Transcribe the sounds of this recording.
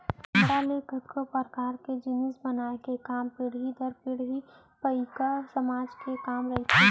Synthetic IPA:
ʈalekət̪kopəɾkaːɾked͡ʒɪnɪsbɐnaːekekaːmpɪɽɦid̪ɐɾpɪɽɦi | pɐikasɐmaːd͡ʒkekaːmɾɐɦit̪ʰe

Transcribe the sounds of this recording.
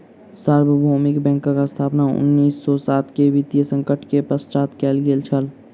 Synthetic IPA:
səɾbəbʱoːmɪkbɛ̃ːŋkãkast̪ʰaːpnaʊ̰nːiːsːɔsaːt̪keʋit̪jəsə̃ŋkəʈʰkepəst͡ʃaːt̪kɛːlɡeːlt͡ʃʰəl

